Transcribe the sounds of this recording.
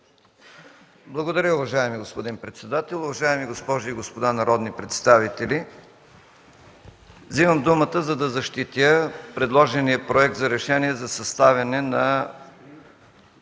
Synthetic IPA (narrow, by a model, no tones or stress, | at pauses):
blˠɐɡod̪ɐɾʲjəʊvɐʒaɛmiɡospod̪inpɾɛt̪sɛd̪at̪ɛlˠʊvɐʒaɛmiɡospɔʒiːɡospod̪anɐɾɔd̪nipɾɛt̪st̪avit̪ɛlʲi | vzivəmd̪umət̪əzɐd̪ɐzɐʃt̪it̪əpɾɛd̪lˠɔʒɛnijəpɾoɛk̚t̪zɐɾɛʃɛniɛzɐsɐst̪avʲɐnɛnɐ